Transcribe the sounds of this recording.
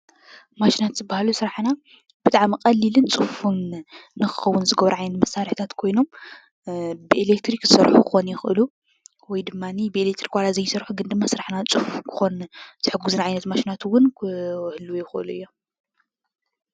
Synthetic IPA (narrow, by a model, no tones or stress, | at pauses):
maʃinat̪zɨbahalusɨɾaħna | b̥ɨt̪ʼaʕmikʼɐlːilɨnt͡sʼɨfunnɨxɨ̥xɐwːʊnzɨɡɐβɾuʕajnɐt̪mɐsaɾiħt̪ʰat̪kʰo̞jno̞m | bɨʔelek̚t̪ɾikzɨsɐɾħukʰɨxo̞njɪxʔɨ̰lu | wɔjd̪ɨmːanibɨelek̚t̪ɾikwalazɐjsɐɾħuɡɨnd̪ɨmːasɨɾaħnat͡sʼɨfukʰɨ̥xo̞ntɨħɨɡːuzɨnaʕajnɐt̪maʃinat̪wʊnhɨlːujɪxʔɨ̰luʔɨ̰jːo̞